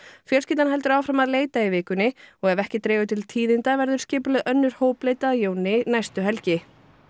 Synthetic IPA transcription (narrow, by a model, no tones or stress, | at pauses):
fjɛl̥scɪːt̪anɦɛlt̪ʏɾawfɾamaðleːjt̪aivɪːkʏnːɪɔɣɛvɛhcɪt̪ɾɛːvʏt̪ʰɪlt̪ʰiːðɪnt̪avɛɾðʏɾ̥scɪːplʏðʔœnːʏɾ̥hoːwpleːjt̪aðjoːwnɪnajst̪ʏɦɛlcɪ